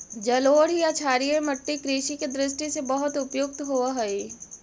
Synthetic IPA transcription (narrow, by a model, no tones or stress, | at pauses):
d͡ʒɐloːɽjat͡ʃʰaːɾijẽmɐʈːikɾiːʃiked̪ɾɪʃ̬ʈisebɐɦʊt̪ʊpjʊk̚t̪ɦoːaɦɐeː